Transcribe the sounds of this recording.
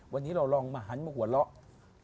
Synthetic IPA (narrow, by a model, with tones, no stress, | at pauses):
wa˧nːi˦˥ɾa˧wlɔː˧ŋmaː˧ɦa˦nmaː˧˩ku˨˩˦t̪̚lɔ˦˥ʔ